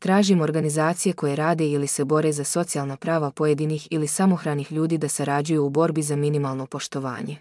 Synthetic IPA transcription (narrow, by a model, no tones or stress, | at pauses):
t̪ɾaːʒimo̞ɾɡanizaːt̪sije̞ko̞je̞ɾaːd̪e̞ilise̞bo̞ɾe̞zaso̞t̪sialˠnapɾaːʋapo̞je̞d̪inixilisamo̞xɾaːnixʎuːd̪iːd̪asaɾad͡ʑujuːbo̞ɾbizaminimalˠno̞po̞ʃt̪o̞ʋa̰ːɲe̞